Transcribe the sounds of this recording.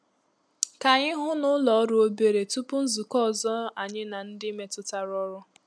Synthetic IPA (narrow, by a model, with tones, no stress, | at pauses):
ka˨ɲɪ˦ɦʊ˦nʊ˦lɔ˨ɔ˦ɾʊ˦o˦be˨ɾe˨tu˦pʊ˦n̩˦zu˨kɔ˦ɔ˨zɔ˦a˨ɲɪ˦na˨n̩˦dɪ˦me˦tʊ˦ta˦ɾɔ˦ɾʊ˦